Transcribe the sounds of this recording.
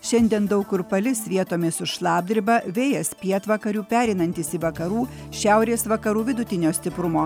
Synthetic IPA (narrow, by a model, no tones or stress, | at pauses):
ʃʲɛnʲd̪ʲiɛnd̪ɐʊkʊɾpɐlʲɪsʋʲiɛt̪oːmʲeːsʊʃlˠɑːb̚ʲd̪ʲɪɾʲbɐʋʲeːjɛspʲiɛt̪ʋɐkɐɾʲuːpʲæːɾʲɛɪnɐnʲt̪ʲɪsɪʋɐkɐɾuːʃʲæˑʊɾʲeːsʋɐkɐɾuːʋʲɪd̪ʊt̪ʲɪnʲoːsʲt̪ʲɪpɾʊmoː